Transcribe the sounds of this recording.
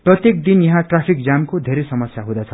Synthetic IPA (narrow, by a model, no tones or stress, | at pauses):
prʌt̪jek̚d̪injʌɦãʈrapʰik̚d͡zamkod̪ʱeɾejsʌmʌsjaɦũd̪at͡sʰʌ